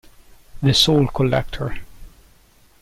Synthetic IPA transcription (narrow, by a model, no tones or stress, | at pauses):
ðɨsoʊlˠkʰɔlɛ̰k̚tʰə˞